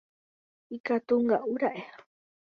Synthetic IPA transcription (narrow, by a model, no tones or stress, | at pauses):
ikat̪uŋɡaʔuɾaʔe